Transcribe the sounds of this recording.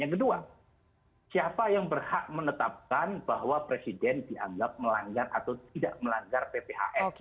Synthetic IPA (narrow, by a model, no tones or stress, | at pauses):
jaŋkədua | siapajaŋbərhaʔmənət̪ap̚kanb̥ahwapɾesidɛndiʔaŋɡap̚məlaŋɡara̰t̪awt̪idaʔməlaŋɡarpepeɦa̰ʔɛf